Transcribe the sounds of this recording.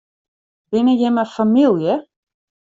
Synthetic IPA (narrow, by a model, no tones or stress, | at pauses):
bɪnəjɛməfamilˠjə